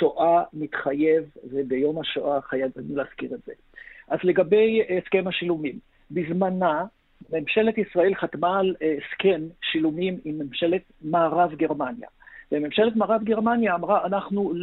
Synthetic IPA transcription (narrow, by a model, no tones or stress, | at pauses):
toʔamit̪χaje̞vvebejo̞mhaʃoʔaχajavanileaskiʁetz̥e̞̰ | ʔazle̞ɡabe̞jeskemhaʃilumim | bizmana | me̞mʃe̞le̞tisʁae̞lχatmaːlske̞mʃilumimimːemʃe̞letmaːʁavɡe̞ʁmanja̰veme̞mʃe̞letmaːʁavɡeʁmanjaːmʁaʔanaχnul